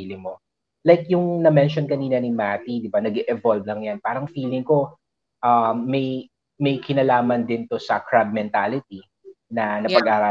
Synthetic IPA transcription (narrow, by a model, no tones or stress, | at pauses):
ilɪŋmo | lajkjʊŋnɐmɛnʃonkɐniːnɐnɪmat̪id̪ɪbanɐɡɛʔɛvolvlɐŋjanpaːɾɐŋfiːlɪŋko̞ | ʔɐmːɐj | mɐjkɪnɐlaːmɐnd̪ɪnt̪o̞sɐkɹab̚mɛnt̪alɪt̪i | nɐnɐpɐɡʔaːɾaː